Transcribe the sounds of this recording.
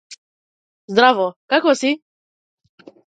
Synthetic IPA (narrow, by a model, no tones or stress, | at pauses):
zd̪ɾavɔkakɔsi